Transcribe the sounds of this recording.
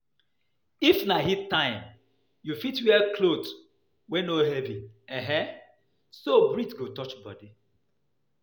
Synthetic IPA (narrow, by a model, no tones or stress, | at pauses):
ifnaɦitːãɪ̃m | jufitwɛkʰlot | wɛnoɦɛviɛɦɛ̃ | sobɹitɡotɔt͡ʃbɔ̰di